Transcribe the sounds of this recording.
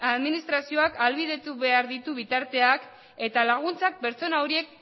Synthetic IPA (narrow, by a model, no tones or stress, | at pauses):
aðminist̪ɾasio̞akalβiðe̞t̪uβe̞aɾðit̪uβit̪aɾt̪e̞ak | e̞t̪alaɣ̞unt͡sak̚pe̞ɾt͡so̞nawɾie̞k̚